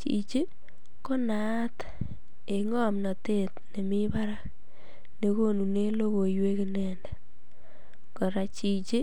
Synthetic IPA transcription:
t͡ʃḭ˨t͡ʃɪ˦ | ko˦na˦t | e˨ŋɔ˦˨mna˨te˦tne˨mi˦ba˦ɾa˦k̚ | ne˨ko˦nu˨ne˦lo˦ko˨jwe˦kɪ˨nɛ˨nda˨ | kɔ˨ɾa˨t͡ʃi˨t͡ʃɪ˦

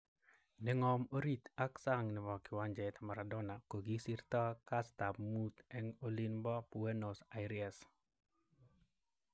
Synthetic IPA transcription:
nɛŋɔ˨mo˦ɾi˦t̪a˦ksa˦ŋnɪ˨mɔ˨kɪ˨wa˦ɲd͡ʒɛt̪ma˨ɾadɔ˦na˨ko˨ɡi˦si˦ɾt̪ɔ˦ka˦st̪a˨pmut̪ɛ˦ŋo˦li˦nbɔ˦pu˨eno˨sa˨jɾias

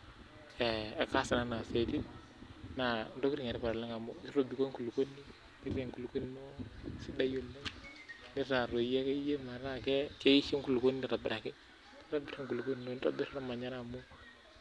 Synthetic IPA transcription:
e˨e˨ka˦sa˨na˨˦na˨se˨ti˦ | na˨ndo˦ki˦ɾi˨ŋe˨ɾi˦pa˨ɾla˦ŋa˨mo˦ki˦ɾo˦bi˨ko˦ŋku˨lu˨ko˦nːi˦ | ki˦ɾe˨ŋku˨lu˨ko˦n˦mo˦si˦da˦jo˨lːe˦ni˦ɾa˨ɾo˨ja˦ke˦je˦ma˨ɾa˦kɛ˦ke˦ji˦ʃi˦ŋku˨lu˨ko˦ni˦ni˦ɾa˨bɪ˨ɾa˨kɛ˦ | i˦ɾa˦bi˨ɾa˦ŋku˨lu˨ko˦n˨no˦n˦ɾa̰˦bi˦ɾa˦ɾa˦ma˨ɲa˦ɾa˨mo˦

